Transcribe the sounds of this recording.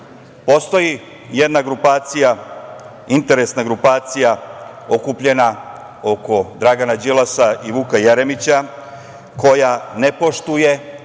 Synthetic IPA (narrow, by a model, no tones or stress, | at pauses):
po̞st̪o̞ji | je̞d̪naɡɾupaːt̪sija | int̪e̞ɾe̞snaɡɾupaːt̪sija | o̞kupʎe̞na | o̞ko̞d̪ɾaɡanad͡ʑilasaʔiʋukajeɾe̞mit͡ɕa | ko̞jane̞po̞ʃt̪uje̞